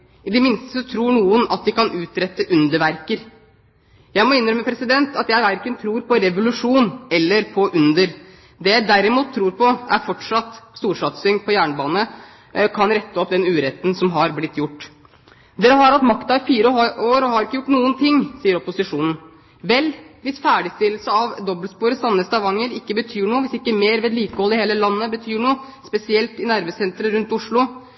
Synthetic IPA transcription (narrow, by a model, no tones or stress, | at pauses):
ɪd̪ɛmɪnst̪əsɔt̪ʰɾuːɳuːənɑt̪̚d̪ɪkɑnʔʉːt̪ɾɛt̪ːəʔʉnd̪əɾʋæɾkəɾ | jæɪmɔɪnːɾœmːəpʰɾɛsɪd̪ɛnt̪ɑt̪jæɪʋæɾkənt̪ʰɾuːɾpʰɔɾɛʋʊlʉʂuːnɛlːəɾpʰɔʔʉnd̪əɾ | d̪ɛjæɪd̪æɾɪmuːt̪ʰːɾuːɾpʰɔʔæ̰ɾfɔʈʂɑt̪ːst̪uːɾʂɑt̪sʏŋpʰɔjæːɳəbɑːnə | kʰɑnɾɛt̪ːəɔpd̪ɛnʉːɾɛt̪ːn̩sɔmɦɑɾblɪt̪ːjʊʈː | d̪eːɾəɦɑɾɑt̪mɑkt̪ɑɪfiːɾəɑoːɾɔhɑɾɪkːəjʊʈːnuːənt̪ʰɪŋːsiːəɾɔpʊsɪʂuːnn̩ | ʋɛlʋɪsfæːɖɪst̪ɪləlsəɑʋd̪ɔbəlspuːɾəsɑnːəst̪ɑʋɑŋːəɾɪkːəbət̪ʰyːɳuːʋɪsɪkːəmeːɾʋeːd̪liːkəhɔlɪheːləlɑnːəbət̪ʰyːɳuː | spɛsɪɛlt̪ɪnæɾʋəsɛnt̪ɾəɾʉnt̪ʊʂɭʊ